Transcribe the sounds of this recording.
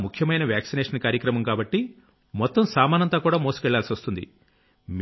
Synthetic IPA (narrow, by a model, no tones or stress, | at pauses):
mukʰjɐmɐjnɐʋjaːksineɛːʂɐnkaːɾjɐkɾɐmɐmkaːbɐʈːi | mɔt̪ːɐmsaːmaːnɐnt̪aːkuːɽaːmoːsu̥kɛɭːaːlsiʋɐst̪und̪ḭ | m